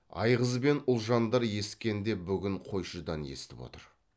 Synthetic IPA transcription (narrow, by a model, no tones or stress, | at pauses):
ɑ̰jʁəzbe̞nʊlˠʒɑnd̪ɑɾje̞skʲe̞nd̪e̞bʏɡʲɪɴqʰo̞jʃəd̪ɑne̞̰st̪ɪpwo̰t̪əɾ